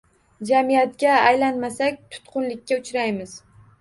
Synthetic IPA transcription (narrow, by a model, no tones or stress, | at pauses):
d͡ʒamijat̪̚ɡʲaːjlanmasakʲt̪ʰʊ̥t̪qʰʊnlɪkʲːaʊt͡ʃɾajmɪz̥